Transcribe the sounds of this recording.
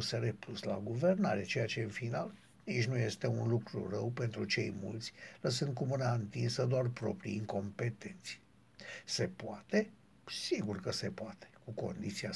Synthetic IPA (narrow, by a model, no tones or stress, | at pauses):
seɾeplusla̰ɡuve̞rnaɾet͡ʃe̞jat͡ʃe̞ɨnfinal | nit͡ʃnuje̞st̪e̞unlukɾṵrəwpe̞nt̪ɾut͡ʃe̞jmṵlt̪sʲləsɨnd̪̚kumɨnaɨnt̪insəd̪oarpɾo̞pɾḭiŋko̞mpe̞t̪e̞nt̪si | se̞poat̪e̞ | siɡurkəse̞poat̪e̥kuko̞̰nd̪it̪sia